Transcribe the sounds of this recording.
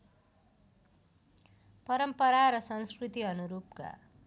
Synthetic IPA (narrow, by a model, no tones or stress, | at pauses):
pʌɾʌmpʌɾaɾʌsʌnskrit̪iʌnuɾupka̰